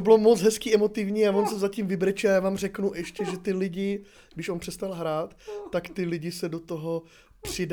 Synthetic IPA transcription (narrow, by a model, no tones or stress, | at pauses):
obɪlomot͡sɦɛskiːʔɛmo̞t̪ɪvɲiːavonsɛzacimvɪbɾɛt͡ʃɪajaːvaːmr̝ɛknuʔɛʃcɛʒɛt̪ɪlɪɟɪ | ɡdɪʃonpr̥ɛst̪alɦɾaːt̪ːakt̪ɪlɪɟɪsɛdot̪oɦo | pr̥ɪd